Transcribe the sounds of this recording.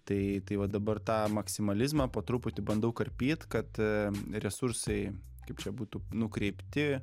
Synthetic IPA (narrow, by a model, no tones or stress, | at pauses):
t̪ɐɪt̪ɐɪʋɐd̪ɐbɐrt̪ɑːmɐksʲɪmɐlʲɪzmɑːpoːt̪ɾʊpʊt̪ʲɪbɐnd̪ɐʊkɐrʲpʲiːt̪kɐt̪ɾʲɛsʊrsɐɪ | kɐɪp̚t͡ʃʲɛbuːt̪ʊnʊkɾʲɛɪpʲt̪ʲɪ